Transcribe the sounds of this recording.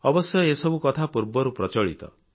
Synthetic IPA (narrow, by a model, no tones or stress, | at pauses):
ɔbɔsjɔesɔbukɔt̪ʰapuɾbɔɾupɾɔt͡ʃɔɭḭt̪ɔ̰